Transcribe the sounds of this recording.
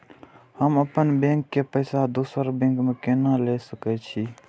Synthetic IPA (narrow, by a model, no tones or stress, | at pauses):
həməpənbẽŋkːepəɪsad̪usəɾbẽŋkmekenalesəkɛt͡ʃʰi